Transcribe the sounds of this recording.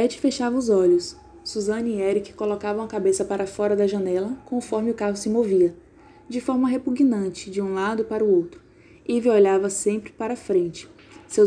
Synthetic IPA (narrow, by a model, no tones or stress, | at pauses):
pɛt͡ʃɪ̥feʃavɐʊzɔʎʊsː | uzɐ̃niɛɾikɪ̥kolokavɐũɐkabesɐpaɾɐfɔɾɐd̪ɐʒɐ̃nɛlɐkõfɔɾmɪʊkaɦʊsɪmoviɐ | d͡ʒɪfɔɾmɐɦepuɡnɐ̃nt͡ʃɪd͡ʒɪũlad̪ʊpaɾʊowt̪ɾʊ | ivioʎavɐsẽmpɾɪ̥paɾɐfɾẽnt͡ʃɪ̥ | se